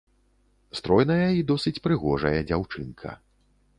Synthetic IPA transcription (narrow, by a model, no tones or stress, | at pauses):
st̪ɾɔjnɐjɐid̪ɔsɨt͡sʲpɾɨɣɔʐɐ̰jɐd͡zʲawt͡ʂɨnkʰɐ̰